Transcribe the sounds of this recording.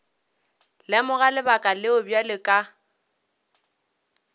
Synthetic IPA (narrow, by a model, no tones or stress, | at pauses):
lɪmʊɣalɪbakʼalɪʊbjalɪkʼa